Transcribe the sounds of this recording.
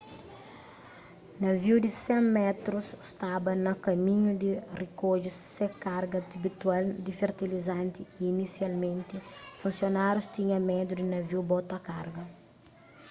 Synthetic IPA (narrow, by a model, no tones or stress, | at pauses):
nɐviwd̪isɛ̃mɛt̪ɾusst̪abɐnɐkɐmĩɲud̪irikoʒussekaɾɡɐd̪ibit̪wald̪ifeɾt̪ilizãnt̪iiːnisjalmẽnt̪ifũnsjonaɾjust̪iɲɐmɛd̪jud̪inɐviwbɔt̪ɐkaɾɡɐ